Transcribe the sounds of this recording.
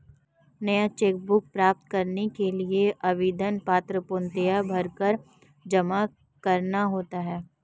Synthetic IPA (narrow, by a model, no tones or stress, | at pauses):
nɐjat͡ʃeːk̚bʊk̚pɾaːp̚t̪kɐɾnekelieʔɐʋiːd̪ənpaːt̪ɾəpʊnt̪ejabʱɐɾkəɾ | d͡ʒɐma | kɐɾnaɦoːt̪aɦɛː